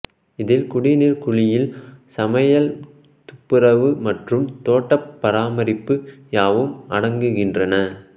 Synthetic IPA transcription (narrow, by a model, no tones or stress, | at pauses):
ɪðɪlkʊɽɪnɪɾkʊɻɪjɪlsɐmɐjɐl | t̪ʊpːɪɾɐʋɯmɐʈrɯmt̪oːʈːɐpːɐɾaːmɐɾɪpːɯjaːʋɯmɐɽɐŋɡɯɣɪndrɐnɐ